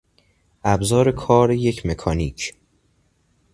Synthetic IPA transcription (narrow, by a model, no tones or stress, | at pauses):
ʔæbzɒːɾekʰɒːɾeje̞cʰme̞kʰɒːniːcʰ